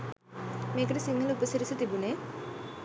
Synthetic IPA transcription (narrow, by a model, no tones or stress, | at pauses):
meːkəʈusiŋːɐlupəsiɾiset̪ibuneː